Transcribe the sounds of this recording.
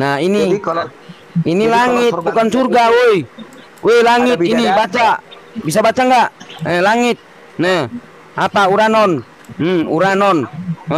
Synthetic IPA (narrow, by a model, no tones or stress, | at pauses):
naini | inilaŋit̚bukansurɡaui | ujlaŋitinibat͡ʃa | bis̬abat͡ʃaŋɡaʔnɛlaŋit̪̚ | nɛ | apauɾanɔn | muɾanɔn